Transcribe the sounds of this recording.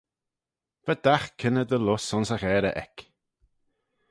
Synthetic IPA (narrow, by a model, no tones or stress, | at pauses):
vɛd̪axkʰɪnəd̪əlʊsɔnsaɣɛːɾə̰ʔɛ̰k